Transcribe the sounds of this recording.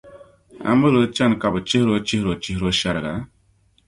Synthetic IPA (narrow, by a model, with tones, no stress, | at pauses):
a̰˨mu˦lo˨˦t͡ʃa˦n˨ka˨bə˨t͡ʃi˦hɾo˦t͡ʃi˦hɾo˨t͡ʃi˦hɾo˦ʃa˦˨ɾa˨ɡa̰˨˦